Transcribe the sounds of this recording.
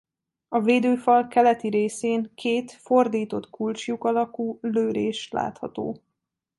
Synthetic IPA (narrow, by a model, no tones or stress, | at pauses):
ɒveːd̪øːfɒlkɛlɛt̪iɾeːseːŋkʰeːt̪fo̞rd̪iːt̪o̞t̪kult͡ʃjukɒlɒkuːløːɾeːʃt̪la̰ːt̪hɒ̰t̪o̰ː